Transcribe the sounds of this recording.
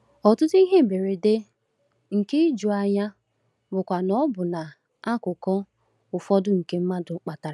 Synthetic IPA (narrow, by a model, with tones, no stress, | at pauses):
ɔ˨tʊ˦tʊ˦i˦ɦe˦m̩˨be˨ɾe˨de˦ | ŋ̩˨ke˦d͡ʒu˨a˨ɲa˦ | bʊ˨kʷa˨nɔ˦bʊ˨na˨ | a˦kʊ˨kɔ˦ | ʊ˨fɔ˦dʊ˦ŋ̩˨ke˦m̩˦ma˦dʊ˨˦k͡pa˨ta˨ɾa˨˦